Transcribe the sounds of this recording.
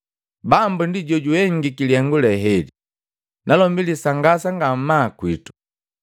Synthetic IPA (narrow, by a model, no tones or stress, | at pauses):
bambundiɟɔɟuɛŋ̩ɡikiliɛŋɡulɛɦɛli | nalɔmbilisaŋɡasaŋɡam̩makwḭtu̥